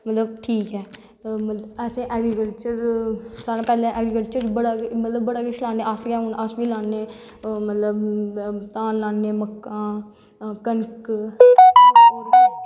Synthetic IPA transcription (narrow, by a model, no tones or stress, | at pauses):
mət̪ləb̚ʈʰiːkɦɛː | məɛːsẽːʔɛːɡɾiːkəlt͡ʃəɾsaːɾãːpɛːlãːʔɛːɡɾikəlt͡ʃəɾbəɽaːmət̪ləbːəɽaːkɪʃlaːneːəsɡɛːɦʊnasʋiːlãːnːeː | mət̪ləbt̪aːnlaːnːeːməkːãː | kənk